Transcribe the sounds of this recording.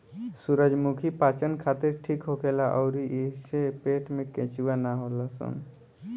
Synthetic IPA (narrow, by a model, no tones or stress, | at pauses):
suɾəd͡ʒmukʰipaːt͡ʃənkʰat̪ɪɾʈʰikɦokelaʔɔːɾiʔesepeːʈmẽkɛ̃t͡ʃuwanaɦolasṵn